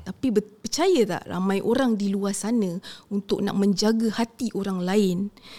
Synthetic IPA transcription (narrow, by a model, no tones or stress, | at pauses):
t̪apibpət͡ʃajət̪a̰ʔra̰mãjʔoɾaŋdiluasanə̃unt̪ʊk̚na̰ʔmə̃ɲd͡ʒaɡəhat̪iʔoɾaŋlaɪn